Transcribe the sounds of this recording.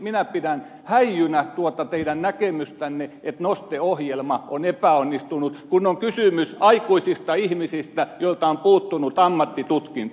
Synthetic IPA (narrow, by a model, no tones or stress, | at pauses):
minæpidæn | hæijːynæt̪uot̪ɑt̪eidænnækemyst̪ænːeet̪nost̪eohjelmɑonepæˑonːist̪unut̪kunːoŋkysymysɑikuisist̪ɑihmisist̪æjoilt̪ɑompuːt̪ːunut̪ɑmːɑt̪ːit̪ut̪kin